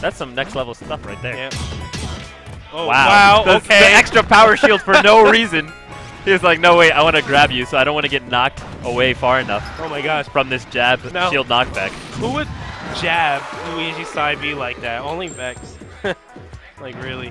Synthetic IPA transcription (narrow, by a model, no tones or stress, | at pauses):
ðætsʌ̃mnɛkstˡlɛvl̩ˠʌ̥stʌfɹaɪt̪̚ðə˞jæ | owaʊwaʊoʊkʰeiɛkstɹ̥ɨpʰaʊə˞ʃilˠd̥fə˞noʊɹizɨ̃n | ɨzlaɪk̚noʊweɪaɪwɑnɨɡɹæbjʉsoʊaɪɾõntwɑ̃nɨɡɛtⁿnɑk̚təweɪfɑɹɨnʌfoʊmaɪɡɑʃfɹʌ̃mðɪsd̥ʒ̥æb̥noʃilˠdⁿnɑk̚b̥ækhuwɨd̚d͡ʒæb̚luiʒisaɪbilaɪk̚ðæt̚õʊ̃nlivɛks | laɪkɹɪlˠi